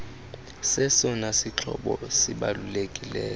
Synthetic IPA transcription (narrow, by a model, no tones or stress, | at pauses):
sɛsɔnasit͡ɬʰɔɓɔsiɓalulekʼilɛːkɔ